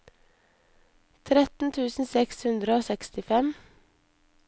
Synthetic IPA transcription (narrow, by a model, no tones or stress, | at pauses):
t̪ʰɾɛt̪n̩t̪ʰʉːsn̩sɛkshʉnd̪ɾəoːsɛkst̪ɪfɛm